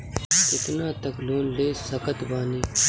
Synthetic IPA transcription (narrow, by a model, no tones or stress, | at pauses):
kɪt̪naːt̪əklõːnleːsəkət̪baːniː